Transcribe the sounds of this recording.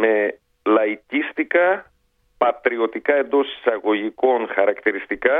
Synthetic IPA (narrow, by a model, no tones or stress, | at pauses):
me̞ | lɐicist̪ikɐ | pɐt̪ɾio̞t̪ikɐe̞nd̪o̞si̥sɐɣo̞ʝiko̞ŋxɐɾɐkt̪iɾist̪ikɐ